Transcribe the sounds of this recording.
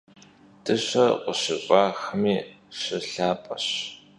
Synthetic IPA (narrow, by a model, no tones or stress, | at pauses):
tʰʼɨɕɐqʷəɕɪɕʷʼaːxɨmiː | ɕɪɬaːpʼɐɕ